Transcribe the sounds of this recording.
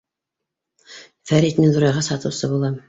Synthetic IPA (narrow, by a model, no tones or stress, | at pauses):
fæɾit̪mid̪uɾjɑʁɑsɑt̪ɤ̆wsɤbulˠɑm